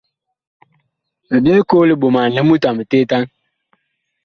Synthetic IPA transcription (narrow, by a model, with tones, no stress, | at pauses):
me˨be˦koː˦li˦ɓo˨ma˨le˦mu˦ta˨mə˨te˦ta˦ŋ